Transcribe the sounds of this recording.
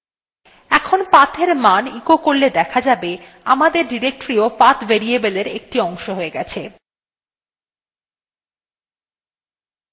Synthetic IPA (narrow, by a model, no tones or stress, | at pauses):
ɛkʰonpat̪ʰeɾmanikokoɾled̪ɛkʰad͡ʑabe | amad̪eɾɖiɾek̚ʈɾiopat̪veɾiebeleɾek̚ʈiɔŋʃoɦoeɡɛt͡ɕʰe